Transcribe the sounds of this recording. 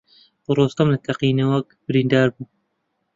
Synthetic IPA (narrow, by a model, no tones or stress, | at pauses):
ɾoːst̪ɐmlɐt̪ʰɐqiːnɐwɐkb̥ɨɾiːnd̪ɑːɾbuː